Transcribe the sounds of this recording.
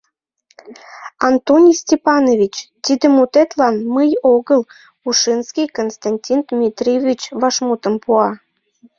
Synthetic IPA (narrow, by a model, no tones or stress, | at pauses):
ɑnt̪onʲisʲtʲepɑnovʲit͡ɕt̪id̪əmut̪et̪lɑnməjoɣəl | uʃinskʲijkonst̪ɑnʲtʲind̪mʲit̪rʲievʲit͡ɕβɑʃmut̪əmpuɑ